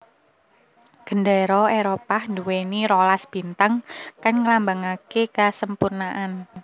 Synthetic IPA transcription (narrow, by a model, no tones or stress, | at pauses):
ɡ̥ə̤ndɛɾɔeɾopahnduweniɾolasb̥i̤nt̪aŋkanŋəlambaŋakekasəmpurnaʔan